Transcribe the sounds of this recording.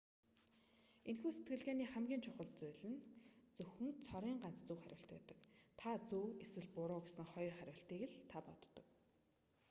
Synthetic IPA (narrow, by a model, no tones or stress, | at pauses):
enxuːset̪̚ɡɘ̆ɮɣeːniːχæmɡʲiːnt͡ɕʰʊχə̆ɮt͡sʊːɮɘ̆nt͡sɵxɵ̆nt͡sʰɔɾiːŋɢan̥t͡st͡sɵwχæɾʲʊ̰̆ːɬt̪pæ̰ːt̪ə̥̆kt̪ʰat͡suːeswɘ̆ɮpʊɾʊːɡesə̆ŋχɔjɞ̆rχæɾʲʊːɬt̪iːɣɘ̆ɮt̪ʰapɔ̰t̪ːɞ̆k